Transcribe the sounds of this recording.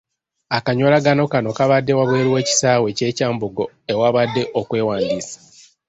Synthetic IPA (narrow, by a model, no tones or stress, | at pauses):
akaɲo̞laɡano̞kano̞kaβadːe̞waβwe̞ːɾiwe̞ːci̥saːwe̞ce̞ːcaːmbuɡo | ewaβadːe̞ʔokwe̞ːwaːndiːsḁ